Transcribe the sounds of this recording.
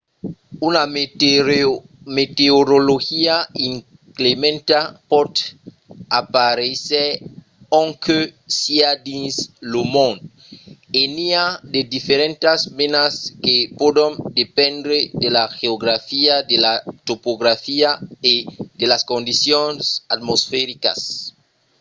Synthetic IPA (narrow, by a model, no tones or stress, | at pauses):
una | met̪eoɾoloxiaiŋ | klemẽnt̪apɔt̪ | apaɾeseɾ | oŋkʰøsiad̪inslomõn | eniad̪ed̪ifeɾẽnt̪asmenaskepod̪ond̪epẽnd̪ɾed̪elaxeoɣɾafiad̪elat̪opoɣɾafiaed̪elaskond̪isjonsat̪mosfeɾika̰s